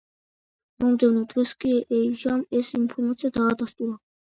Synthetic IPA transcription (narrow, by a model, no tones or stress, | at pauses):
mɔmd̪ɛvnɔd̪ʁɛskʼiʔɛiʒamɛsinpʰɔɾmat̪sʰʼiad̪aːd̪ast̪ʼuɾa